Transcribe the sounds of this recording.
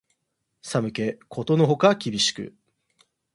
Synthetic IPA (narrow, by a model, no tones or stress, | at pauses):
samɯ̟ke̞kʰo̞t̪o̞no̞ɦo̞kakʲibʲiɕi̥kɯ̟̰